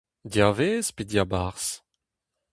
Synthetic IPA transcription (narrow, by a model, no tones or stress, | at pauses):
djaveːzpedjabaʁs